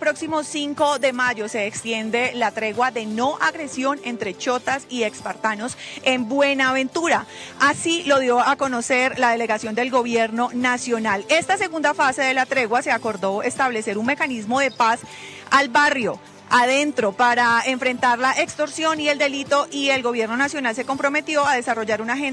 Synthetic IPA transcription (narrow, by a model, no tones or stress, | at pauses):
pɾo̞ksimo̞siŋko̞ðe̞maʝo̞se̞ːkst̪je̞nd̪e̞lat̪ɾe̞ɣwaðe̞no̞ʔaɣɾe̞sjo̞ne̞nt̪ɾe̞t͡ʃo̞t̪asie̞kspaɾt̪ano̞se̞mbwe̞naːβẽ̞nt̪uɾaasilo̞ðjo̞ako̞no̞se̞ɾlaðe̞le̞ɣasjo̞nd̪e̞lɡoβje̞ɾno̞nasjo̞nale̞st̪ase̞ɣund̪afase̞ðe̞lat̪ɾe̞ɣwase̞ako̞ɾd̪o̞e̞st̪aβle̞se̞ɾunme̞kanizmo̞ðe̞pas | albarjo̞ | að̞e̞nt̪ɾo̞paɾaeɱfɾe̞nt̪aɾlaʔekst̪o̞ɾsjo̞nie̞ld̪e̞lit̪o̞ʔie̞lɡo̞βje̞ɾno̞nasjo̞nalse̞ko̞mpɾo̞me̞t̪jo̞aðe̞saro̞ʝaɾunaxe